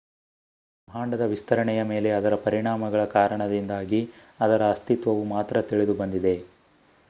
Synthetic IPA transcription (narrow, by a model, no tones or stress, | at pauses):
mʱaːɳɖɐd̪ɐʋist̪ɐɾɐɳɛjɐme̞ːle̞ɐd̪ɐɾɐpɐɾiɳaːmɐɡɐɭɐkaːɾɐɳɐd̪ind̪aːɡi | ɐd̪ɐɾɐːst̪it̪ʋɐʋumaːt̪ɾɐt̪iɭed̪ubɐnd̪id̪e̞